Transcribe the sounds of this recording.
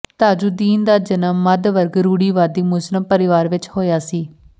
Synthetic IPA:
t̪aːd͡ʒuːd̪iːnd̪aːd͡ʒənəmːəd̪ʋəɾɡɾuːɽiːʋaːd̪iːmʊsləmpəɾɪʋaːɾʋɪt͡ʃhoːjaːsiː

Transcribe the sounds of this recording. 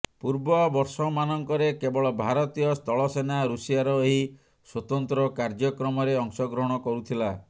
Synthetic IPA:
puɾbɔbɔɾsɔmanɔŋkɔɾekebɔɭɔbʱaɾɔt̪ijɔst̪ɔɭɔsenaɾusijaɾɔeɦi | swɔt̪ɔnt̪ɾɔkaɾd͡ʒɔkɾɔmɔɾeɔŋsɔɡɾɔɦɔɽ̃ɔkɔɾut̪ʰila

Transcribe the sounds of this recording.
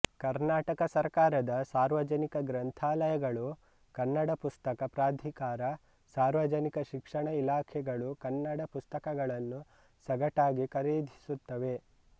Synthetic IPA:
kɐɾnaːʈɐkɐsɐɾkaːɾɐd̪ɐsaːɾʋɐd͡ʒɐnikɐɡɾɐnt̪ʰaːlɐjɐɡɐɭu | kɐnːɐɽɐpust̪ɐkɐpɾaːd̪ʱikaːɾɐ | saːɾʋɐd͡ʒɐnikɐʃikʂɐɳɐilaːkʰɛɡɐɭukɐnːɐɽɐpust̪ɐkɐɡɐɭɐnːu | sɐɡɐʈaːɡikɐɾiːd̪ʱi̥sut̪ːɐʋe̞

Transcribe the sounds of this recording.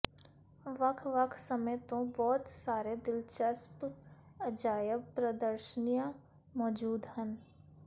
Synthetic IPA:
ʋɐkʰʋəkʰsəməjt̪õbɔːt̪saːɾed̪ɪlt͡ʃəsp | əd͡ʒaːjəpɾəd̪əɾʃənijã | mɔːd͡ʒuːd̪hən

